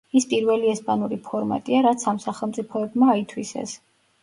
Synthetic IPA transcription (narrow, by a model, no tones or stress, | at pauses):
ispʼiɾvɛliɛspʼanuɾipʰɔɾma̰t̪ʼiaɾat̪sʰamsaχɛlˠmt̪sʼipʰɔɛbmaːit̪ʰwisɛ̰s